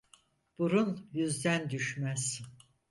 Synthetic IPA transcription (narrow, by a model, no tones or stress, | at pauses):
b̥uɾunjyzd̪ænd̪yʃmæz̥